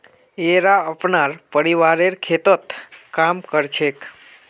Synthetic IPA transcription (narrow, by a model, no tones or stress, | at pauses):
eɾaəpnaɾpəɾiʋaɾeɾkʰet̪ət̪kamkəɾt͡ʃʰek